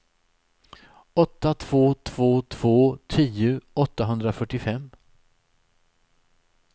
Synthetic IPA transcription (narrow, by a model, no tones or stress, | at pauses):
ɔt̪ːat̪ʰv̥oːt̪ʰv̥oːt̪ʰv̥oːt̪ʰiːʊɔt̪ːaɦɵnd̪ɾafœʈːɪfɛmː